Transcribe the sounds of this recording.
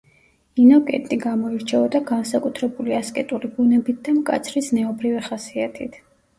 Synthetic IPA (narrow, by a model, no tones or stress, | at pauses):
inɔkʼɛ̰t̪ʼiɡamɔiɾt͡ʃʰɛɔd̪aɡansakʼut̪ʰɾɛbuliaskʼɛt̪ʼulibunɛbit̪̚ʰd̪amkʼa̰t̪sʰɾisnɛɔbɾiviχasiat̪ʰit̪ʰ